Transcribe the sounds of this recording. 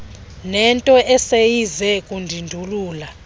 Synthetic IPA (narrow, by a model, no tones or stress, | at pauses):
nɛntʼɔʔɛsejizɛkʼundʱindʱuluːla